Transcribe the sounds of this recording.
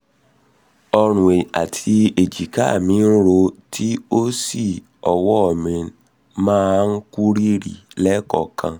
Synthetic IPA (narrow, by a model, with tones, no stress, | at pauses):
ɔ˧ɾ̃ũ˨e˨a̰˨tʰi˧e˨d͡ʒi˨ka˦˨mĩ˨˦n̩˦ɾo˧tʰi˦o˦si˦˨ | ɔ˨wɔ˦ɔ˨mĩ˨ | mãː˦n̩˦ku˦ɾi˦ɾḭ˨lɛ˦kɔ̰˦˨kʰã˧